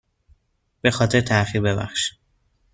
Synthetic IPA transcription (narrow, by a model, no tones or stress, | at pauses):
b̥e̞xɒːt̪ʰe̞ɾt̪ʰæxiɾbe̞bæ̰xʃi̥